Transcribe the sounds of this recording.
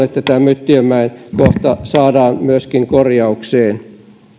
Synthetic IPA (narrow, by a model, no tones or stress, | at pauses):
et̪ːæt̪æmøt̪ːyømæinkoht̪ɑsɑːdɑːnmyøskiŋkorjɑukseːn